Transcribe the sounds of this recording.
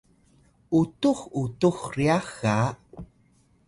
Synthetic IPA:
utuχutuχriaxa

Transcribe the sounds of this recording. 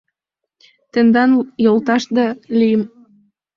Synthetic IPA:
t̪ɘ̆nd̪ɑnjolt̪ɑʃd̪ɑlijəm

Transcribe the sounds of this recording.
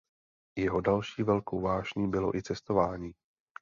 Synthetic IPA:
jɛɦo̞dalʃiːvɛlkowvaːʒɲiːbɪlo̞̰ʔɪt͡sɛst̪o̞vaːɲiː

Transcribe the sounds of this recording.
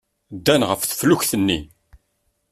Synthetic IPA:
d̪ːænʁəfθə̥fluçθənːḭ

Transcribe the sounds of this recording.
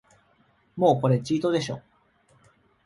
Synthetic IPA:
mo̞ːko̞ɾe̞t͡ɕiːt̪o̞d̪e̞ɕo̞̰ː

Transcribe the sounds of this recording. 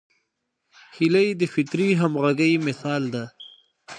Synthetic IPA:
hilajd̪əfɪt̪ɾiɦamɣaɡəjmɪsɑːld̪a

